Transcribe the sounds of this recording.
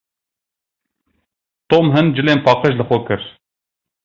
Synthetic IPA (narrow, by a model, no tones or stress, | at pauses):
t̪oːmɦɨnd͡ʒɨleːnpɑːqəʃlɨxʷɔkʰɨɾ